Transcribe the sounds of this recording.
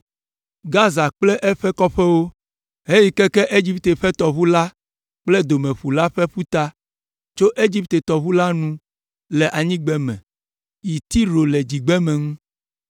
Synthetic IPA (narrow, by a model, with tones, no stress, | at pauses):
ɡa˦za˨k͡plɛ˦ʔɛ˦ɸɛ˦kɔ˦ɸɛ˦wo˦ | ɦe˦ji˦˨kɛ˦kɛ˦ʔe˦d͡ʑi˦p̚t̪e˨ɸɛ˦t̪ɔ˨βu˦la˦ | k͡plɛ˦d̪o˨mɛ̃˨ɸu˨la˦ɸɛ˦ɸu˦t̪a˦ | t͡ʃo˦ʔe˦d͡ʑi˦pt̪e˨t̪ɔ˨βu˦la˦nũ˦ | lɛ˨ʔa˨ɲĩ˦ɡ͡bɛ˦mɛ̰̃˨ | ji˨t̪i˦ɾo˨lɛ˨d͡ʑi˨ɡ͡bɛ˦mɛ̃˨ŋũ˦